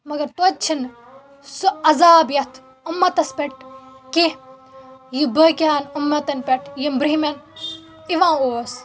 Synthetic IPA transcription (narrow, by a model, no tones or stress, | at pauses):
mɐɡɐɾt̪ɐt͡ʃʰin | suɐzaːbjɐt̪ʰ | umːɐt̪ɐspʲeʈ̚ke | jibɐːkʲaːnumːɐt̪ɐnpʲeʈʰjimbɾimʲɐn | iʋãːoːs